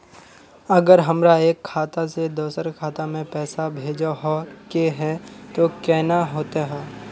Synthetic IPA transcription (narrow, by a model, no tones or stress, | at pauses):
ɐɡəɾɦɐmɾaeːkʰːaːt̪ased̪oːsəɾkʰaːt̪amẽpɛːsabʱeːd͡ʒaɦokeɦɛt̪okɛːnaɦoːt̪aɦɛː